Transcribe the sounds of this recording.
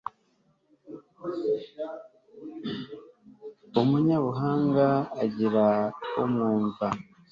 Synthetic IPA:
umuɲaβuɦaːŋɡaːɟiɾaumuːnva

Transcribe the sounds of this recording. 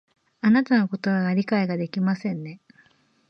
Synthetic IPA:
anat̪ano̞ko̞t̪o̞βaɡaɾʲikaiɡad̪e̞kʲimasẽ̞nːe̞

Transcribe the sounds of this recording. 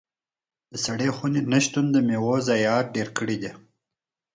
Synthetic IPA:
d̪̥əsaɽexunenaʃt̪und̪əmewozajɑːɾ̚ɖeɾkəɽid̪i

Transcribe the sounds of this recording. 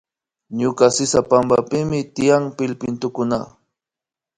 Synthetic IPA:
ɲʊkasɪsapambapɪmɪt̪ɪjaŋpɪlpɪnt̪ʊkʊna

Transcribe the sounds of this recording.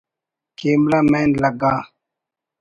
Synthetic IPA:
keːmlaːmeːnlɐɡaː

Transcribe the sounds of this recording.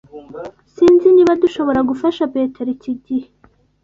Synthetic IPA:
siːnziniβaduʃo̞βo̞ɾaɡufaʃape̞ːteɾiciɟihe

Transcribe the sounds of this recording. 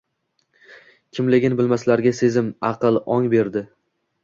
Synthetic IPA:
kʲʰɪmlɪɡʲɪnbɪlmaslaɾɡʲase̞zɪmɑqɨlˠɒŋbe̞ɾd̪ɪ

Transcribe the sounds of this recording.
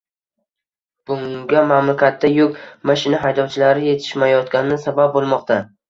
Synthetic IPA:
b̥ʊŋɡʲamamlakʲat̪ːajʊkʲmaʃɪnaɦajd̪ɒwt͡ʃʰɪlaɾɪje̞t̪ʰɪ̥ʃmajɒt̪kʲanɪnɪsabap̚bolˠmɒqt̪ʰa

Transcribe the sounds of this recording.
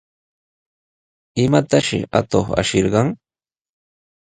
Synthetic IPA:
ɪmat̪aʃɪ̰ʔa̰t̪oχa̰ʃɪɾɢɑŋ

